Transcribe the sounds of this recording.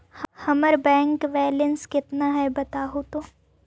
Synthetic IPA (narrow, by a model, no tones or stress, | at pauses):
hhɐməɾbɛ̃ːŋkʋɛːlənskɪt̪naɦɛbɐt̪aːɦot̪oː